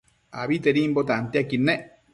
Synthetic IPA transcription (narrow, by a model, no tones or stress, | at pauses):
a̰βit̪eɾimbot̪aant̪iakine